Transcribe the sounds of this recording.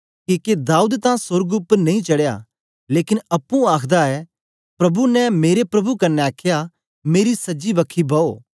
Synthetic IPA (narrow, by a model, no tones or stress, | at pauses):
kiked̪aːuːd̪t̪ãsʊɾɡʊpːəɾnɐ̃ĩt͡ʃɐɽja̰ | leːkɪnɐpːũaːkʰd̪aɛ | pɾɐbunɛmeːɾepɾɐbukɐnːɛaːkʰja | meːɾisɐd͡ʒibɐkʰibɐoː